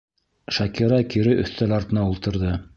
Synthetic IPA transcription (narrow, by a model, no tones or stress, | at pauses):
ʃɑkiɾɑkiɾɘʔɵ̰̆θt̪ælɑɾt̪ɤ̆nɑulˠt̪ɤ̆ɾðɤ